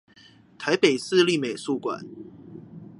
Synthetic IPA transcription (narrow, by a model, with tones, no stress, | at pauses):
t̪ʰa˨˦ɪpe˨˩ɪsɹ̩˥˧li˥˨me˨˩ɪsu˥˨kwa̰˨˩˦n